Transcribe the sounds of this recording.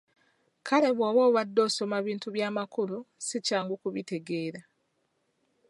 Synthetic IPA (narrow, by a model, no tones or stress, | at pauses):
kʰale̞βoːβo̞ːβadːo̞ːso̞maβiːntuβjaːmakulusicaːŋɡukuβite̞ɡe̞ːɾa